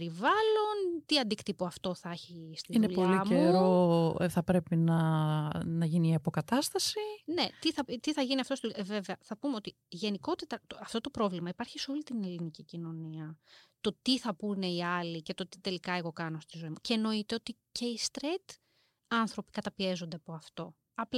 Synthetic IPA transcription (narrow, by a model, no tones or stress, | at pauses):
ɾivɐlo̞nt̪iɐnd̪ikt̪ipoɐft̪o̞θɐɐçist̪iineuʎpolimeɾɾo̞̰θɐpɾe̞pinɐ | nɐʝiniiɐpo̞kɐt̪ɐst̪ɐsine̞t̪iθɐt̪iθɐʝiniɐft̪ost̪iðueve̞veɐθɐpumeo̞t̪i | ʝe̞niko̞t̪et̪ɐt̪oɐft̪o̞t̪o̞pɾo̞vlimɐipɐɾçiso̞lit̪ine̞linicicino̞niɐt̪o̞t̪iθɐpune̞iɐlice̞t̪o̞t̪i̥t̪e̞likɐe̞ɣo̞kɐno̞st̪izo̞imuceno̞it̪e̞o̞t̪ice̞ist̪ɾet̪ | ɐnθɾo̞pi̥kɐt̪ɐpie̞zo̞nd̪e̞ɐpo̞ɐft̪o̞ | ɐpl